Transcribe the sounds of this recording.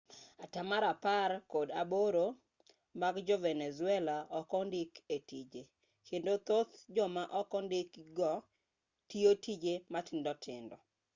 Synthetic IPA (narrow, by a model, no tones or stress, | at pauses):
atamaɾaparkodaboɾo | maɡd͡ʒɔvɛnɛzʊɛlaɔkɔndɪketid͡ʒe | kʰendot̪ot̪d͡ʒɔmaʔɔkɔndɪkɡɔ | tiotid͡ʒematɪndɔtʰɪndɔ̰